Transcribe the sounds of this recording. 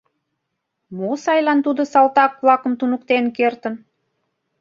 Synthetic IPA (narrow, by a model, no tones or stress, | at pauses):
mosɑjlɑnt̪ud̪osɑlt̪ɑkβlɑkəmt̪unukt̪enkert̪ən